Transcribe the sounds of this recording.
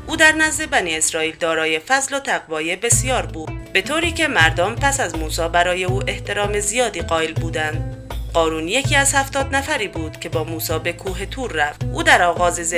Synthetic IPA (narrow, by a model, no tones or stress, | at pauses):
ʔuːd̪æɾnæzd̪e̞bæniːe̞sɾɒːiːld̪ɒːɾɒːje̞fæzlo̞t̪ʰæɣvɒːje̞be̞sijɒːɾbuːd̪̥̚be̞t̪ʰoːɾiːcʰe̞mæɾd̪ɔmpæsæzmuːsɒːbæɾɒːje̞uːʔe̞ht̪ʰe̞ɾɒːmezijɒːd̪iːɢɒːelbuːd̪ænd̪ɢɒːɾuːnje̞cʰiːæz̥hæft̪ɒːd̪næfæɾiːbuːd̪̥cʰe̞bɒːmuːsɒːbe̞kʰuːɦe̞t̪ʰuːɾːæft̪ʔuːd̪æɾɒːɣɒːzez